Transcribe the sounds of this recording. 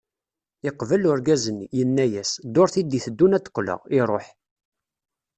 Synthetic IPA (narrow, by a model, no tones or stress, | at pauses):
ɪqvəlʊɾɡæzənːjənːæjæsd̪oɾθid̪iθəd̪ːunæt̪ːə̥kʷːlə̰ʁɪɾˤoħ